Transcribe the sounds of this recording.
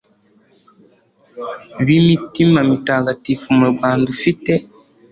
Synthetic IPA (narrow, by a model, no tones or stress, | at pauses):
βimitimamitaːkatifumuɾɡaːndufitɛ